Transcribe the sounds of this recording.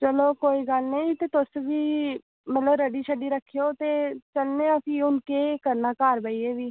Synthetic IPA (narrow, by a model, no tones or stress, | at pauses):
t͡ʃəloːkoːiːɡəlnəĩːt̪eːt̪ʊsʋiː | mət̪ləbɾəɖiːʃʰəɖiːɾəkʰːijoːt̪eːt͡ʃəlneːəpĩʊnkeːkəɾnaːkaːɾbəiːeːʋiː